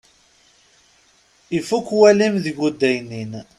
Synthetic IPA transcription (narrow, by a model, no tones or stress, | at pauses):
ifːukːwælimðiɡud̪ːæjnin